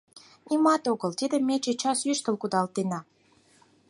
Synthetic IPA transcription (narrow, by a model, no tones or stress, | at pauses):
nimɑt̪oɣəlt̪id̪ə̆mːet͡ɕet͡ɕɑsyʃt̪ə̆lkud̪ɑlt̪enɑ